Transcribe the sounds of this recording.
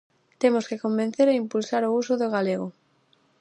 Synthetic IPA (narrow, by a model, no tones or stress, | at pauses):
t̪emoskekombẽn̟θeɾeimpulsaɾousʊðoɣ̞aleɣo